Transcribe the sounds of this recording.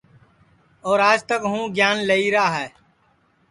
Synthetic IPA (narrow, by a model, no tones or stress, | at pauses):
ɔːɾaːd͡ʒt̪əkɦũːɡjaːnləiɾaːɦɛː